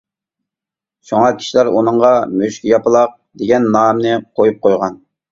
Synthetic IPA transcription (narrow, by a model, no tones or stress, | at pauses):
ʃuŋɑkʲʰi̥ʃilæɾṵnɨɴʁɑmøʃkʲijɑpəlˠɑq̚d̪eɡʲɛnːɑːmnɨqʰojup̚qʰojʁɑn